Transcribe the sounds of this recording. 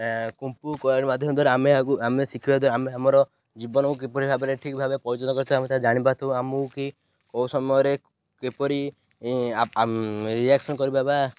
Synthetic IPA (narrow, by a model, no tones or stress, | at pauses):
kumpukɔɾimad̪ʱjɔmd̪ʱaɾamekuamesikʰibad̪ʱaɾameamɔɾɔ | d͡ʒibɔnɔkuk̬epɔɾibʱabeɾeʈʰikbʱabepɔɾit͡ʃɔtɔkɔɾit̪ʰɔbamet̪ad͡ʒaɽ̃ibat̪ʰɔũamuki | kɔwsɔmɔjɔɾe | kepɔɾi | a | ɾiaksɔnkɔɾibaba